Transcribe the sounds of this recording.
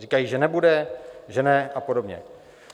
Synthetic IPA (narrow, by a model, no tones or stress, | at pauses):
rikajiːʒɛnɛbudɛʒɛnɛʔapodo̞bɲɛ̰